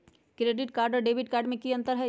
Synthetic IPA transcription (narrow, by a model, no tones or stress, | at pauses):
kɾeːɖɪʈ̚kaːɾɖɔɾɖeːʋɪʈkaːɾɖmẽkiɐ̃nt̪əɾɦɛ